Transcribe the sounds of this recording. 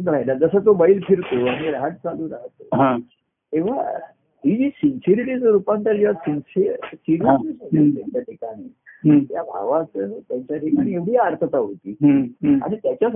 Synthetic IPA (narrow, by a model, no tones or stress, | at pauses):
ɾaɦjlad͡zəsət̪obailfiɾt̪oaɽ̃iɾaɦəʈ̚t͡salũːɾaɦt̪oɦã | eʋa̰ | ɦid͡ʑiːsinsiɾiʈisɾupãnt̪aɾd͡ʑeʋasinsisiɾiiəsot̪t̪aɲt͡ɕjaʈʰikaɽit̪jabʱa̰ʋat͡sət̪jaɲt͡ɕaʈ̪ikaɽ̃ieʋɽ̤iəɾt̪ʰət̪aɦot̪iːa̰ɽ̃it̪jat͡ɕja